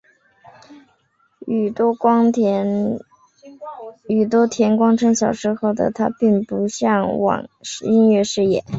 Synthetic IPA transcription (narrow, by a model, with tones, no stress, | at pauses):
y˨˩t̪wɔ˥t̪ʰjɛ˧˥nkwɑ˥ŋʈ͡ʂʰɤ˧˥ŋɕjɑ˨˩ʊʂɻ̩˧˥xo˥˩ʊd̪ə̰˩t̪ʰa˥pi˥˩ŋpu˧˥ɕjɑ˥˩ŋwɑ̰˨˩ŋʂi˥nɥɛ˥˧ʂɻ̩˥˩jɛ̰˨˩˦